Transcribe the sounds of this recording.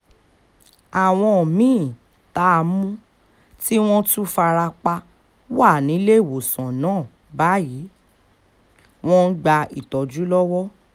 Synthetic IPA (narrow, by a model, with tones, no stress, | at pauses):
a˨w̃ɔ̃˧ɔ˨mĩ˦˨ | ta˦˧mũ˦ | ti˦w̃ɔ̃˦tũ˦fa˧ɾa˧k͡pa˧ | wa˦˨nĩ˨˦le˦˨wo˨sã˨nãː˨˦˨ | ba˨˦ji˨˦ | w̃ɔ̃˦n̩˦ɡ͡ba˧i˨tɔ˨d͡ʒu˨˦lɔ˦wɔ˦